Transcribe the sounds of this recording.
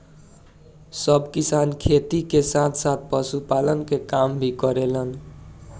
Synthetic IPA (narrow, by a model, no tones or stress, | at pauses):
sʌbkisankʰet̪ikesãt̪ʰsat̪̚ʰpʌsupalənkekambʱikʌɾelən